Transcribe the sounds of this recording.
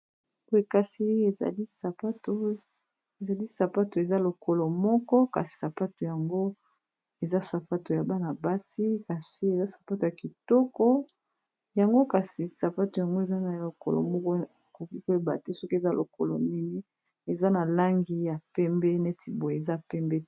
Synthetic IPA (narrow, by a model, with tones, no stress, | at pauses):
o˨e˨ka˨si˦e˨za̰˨li˦sa˨pa˦to˨ | e˨za˨li˦sa˨pa˦to˨e˨za˦lo˨ko˨lɔ˨mɔ˦kɔ˦ka̰˨si̥˨sa˨pa˦to˨ja˨ŋɡo˦ | e˨za˦sa˨pa˦to˨ja˨ba˦na˨ba˦si˦ka˨si˨e˨za˦sḁ˨pa˦to˨ja˨ki˨tɔ˦kɔ˦ | ja˨ŋɡo˦ka˨si˨sa˨pa˦to˨ja˨ŋɡo˦e˨za˦na˨lo˨kɔ̰˨lɔ̰˨mɔ˦kɔ˦˨ | ko˨ki˦ko˦e˦ba̰˨te˦sɔ˦ki˦e˨za˦lʔo̰˨ko˨lɔ̰˨ni˦ŋi˦ | e˨za˦na˨la˦ŋɡi˦ja˨pɛ˦mbɛ˦nɛ˦tʰi˨bo˨e˨e˨za˦pɛ˦mbɛ˦